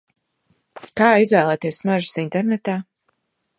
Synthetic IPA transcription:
kaːizvɛːlˠɛːt̪iɛsmaʒu̥sint̪ɛɾnɛt̪aː

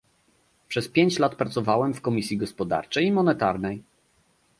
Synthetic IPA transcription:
pʂɛspʲjeɲt͡ɕlat̪pɾat̪sɔvawɛmfkɔmʲisʲjiɡɔspɔd̪a̰ɾt͡ʂɛjimɔnɛt̪aɾnɛj

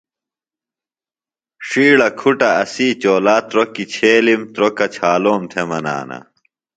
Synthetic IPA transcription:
ʂiːɽɐkʰuʈɐɐsiːt͡ɕoːlaːt̪ɾokːit͡ɕʰeːlimt̪ɾokɐt͡ɕʰaːloːmt̪ʰemɐna̰ːnɐ̰

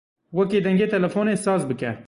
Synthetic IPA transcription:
wɛkeːd̪ɛŋɡeːt̪ʰɛlɛfoːneːsɑːzbɨkɛ̰

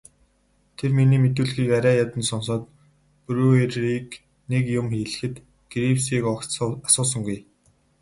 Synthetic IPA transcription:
t̪ʰerminiːmet̪ŭːɮxiːkaɾʲæːjat̪ə̆nsɔnsɔːt̪̚ | pɵɾuerik | nekjʊmxiːɮɘ̆xɘ̆t̪ | ɡ̥ɾipsiːkɔkːasʊːs̬ə̆ŋɡuj

